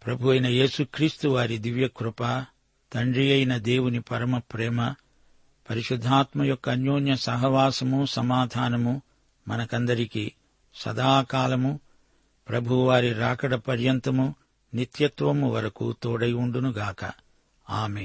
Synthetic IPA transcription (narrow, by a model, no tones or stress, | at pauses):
pɾɐbʱuɐjnɐje̞ːsukɾiːst̪uʋaːɾid̪iʋjɐkɾupaː | t̪ɐɳɖɾijɐjnɐd̪e̞ːwunipɐɾɐmɐpɾɛːmɐ | pɐɾiʃud̪ʱːaːt̪mɐjɔkːɐːnjoːnjɐsɐɦɐʋaːsɐmusɐmaːd̪ʱaːnɐmu | mɐnɐkɐnd̪ɐɾiki | sɐ̰d̪aːkaːlɐmu | pɾɐbʱuʋaːɾiɾaːkɐɽɐpɐɾjɐnt̪ɐmu | nit̪jɐt̪ʋɐmuʋɐɾɐkṵt̪oːɽɐjuɳɖunuɡaːkɐ̰ | aːmeːn